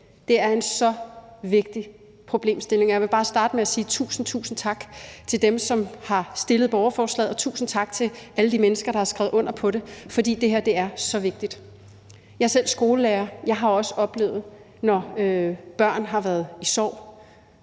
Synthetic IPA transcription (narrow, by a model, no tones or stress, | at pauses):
d̥e̝æɐe̝nsɒ̽ʋe̝ɡ̥̚d̥i | pʰʁo̝b̥le̝̰ːmsd̥e̝le̝ŋɒjɑʋe̝b̥ɑ̈ːsd̥ɑ̈ːd̥əmeæsiːt͡sʰṵːsn̩t͡sʰṵːsn̩t͡sʰɑ̈ɡ̥t͡sʰe̝ld̥emsɒ̽mhɑ̈sd̥e̝ləð̞̩ˠb̥ɒʊɐfɒːslɛ̰ð̰ˠɒ̽t͡sʰṵːsn̩t͡sʰɑ̈ɡ̥t͡sʰe̝æləd̥imenəsɡ̥ɐɾ̥ɑ̈hɑ̈sɡ̥ɛ̰ʊɔ̽n̰ɐpʰɒ̽ɾe̝fɒ̽d̥ḭːd̥e̝ɦeɐ̰d̥e̝æɐsɒ̽ʋe̝ɡ̥̚d̥id̥ | jɑ̈sel̰sɡ̥o̝ːləleːɐjɑ̈ɪɦɑ̈ɒ̽səɒ̽b̥le̝̰ːʊð̩ˠ | nɒøb̥ɶɐ̰nɦɑ̈ʋæːɐð̞ˠisɒ̰ʊ̰